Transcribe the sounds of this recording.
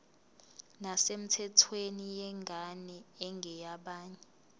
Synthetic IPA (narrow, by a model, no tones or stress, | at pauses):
nasem̩tʰɛtʰwenijɛŋɡʱanɛɛŋɡʱɛjaɓaːɲɛ